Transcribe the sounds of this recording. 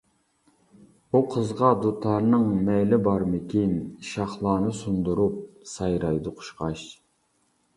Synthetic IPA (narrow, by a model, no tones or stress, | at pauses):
uqʰəzʁɑd̪ut̪ʰɑɾnɨŋmɛjlɪbɑɾmɪkʲinʃɑχlˠɑːnɨsund̪uɾup̚sɑjɾɑjd̪ʊqʰʊ̥ʃqɑʃ